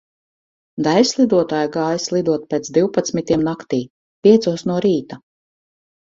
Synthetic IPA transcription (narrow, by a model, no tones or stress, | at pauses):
d̪ajslˠid̪uɔt̪aːjɡaːjslˠid̪uɔt̪̚peːt̪zd̪iwpat̪smit̪iɛmnakt̪iː | pʲiɛt̪suɔsnuɔɾiːt̪a